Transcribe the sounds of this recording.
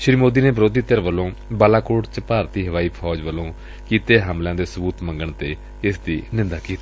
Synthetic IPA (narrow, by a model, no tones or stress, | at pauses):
ʃɾiːmoːd̪iːneːbɾoːd̪iːt̪əɾʋəlːõːbaːlaːkoːʈt͡ʃpaːɾt̪iːɦəʋaːiːpʰɔːd͡ʒʋəlõː | kiːt̪eːɦəmlãːd̪eːsəbuːt̪mə̃ŋɡəɳt̪eː | ɪsd̪ḭːnɪ̃nd̪aːkiːt̪i̥ː